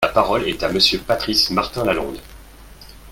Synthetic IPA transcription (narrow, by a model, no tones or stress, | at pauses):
apaʁɔlɛt̪aməsjøpat̪χismaʁt̪ɛ̃lalɔ̰̃d̪